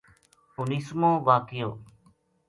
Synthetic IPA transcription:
ʊniːsmõːʋaːkɪjo̰ː

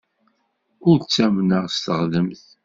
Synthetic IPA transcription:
ʊɾt͡sːæmnəʁst̪əʁðəmθ

